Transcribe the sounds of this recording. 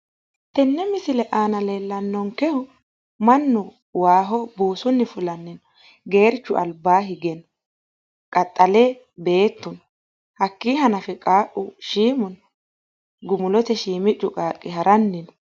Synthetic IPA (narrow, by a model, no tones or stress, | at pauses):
t̪ɛnːɛmɪsɪlɛʔaːnɐle̞ːlːɐnːɔŋkɛhʊ | mɐnːʊ | waːɦɔbuːsʊnːɪfʊlɐnːɪnɔ | ɡe̞ːɾt͡ʃːʊʔɐ̰lbaːɦɪɡɛnɔ | kʼɐt̪ʼːɐlɛ | be̞ːt̪ːʊn | hɐkːiːɦɐnɐfɛkʼaːʔʊʃiːmʊn | ɡʊmʊlɔt̪ɛʃiːmɪt͡ʃʼːʊkʼaːkʼːɪhɐɾɐnːɪnɔ